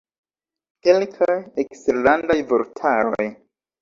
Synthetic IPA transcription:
kelkʰajeksteɾlandajvoltʰaɾo̞̰j

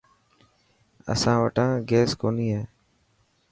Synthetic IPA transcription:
ə̰sãːʋəʈãːɡeːskoːniːɦeː

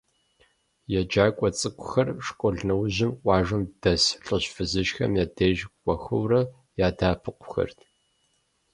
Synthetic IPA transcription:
jɛd͡ʒaːkʷʼɔt͡sʼɨkʷʼʊxɐrʂkʷʼɔɮnɐwʑɪmʔʷʼɑːʒɨmd̥ɐsɬʼɨɕfɨzɨʃxɐ̰mjaːdeːʒkʷʼɔxɨwrɐ | jaːdaːpʰɨqʷʊxɐ̰rtʰ

